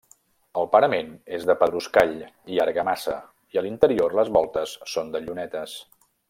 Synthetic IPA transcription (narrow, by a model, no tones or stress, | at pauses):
əlˠpəɾəmenezðəpəðɾuskaʎiaɾɣəmasə̰ | iəlint̪əɾiorləzβɔlˠt̪əsːond̪əʎunɛt̪əs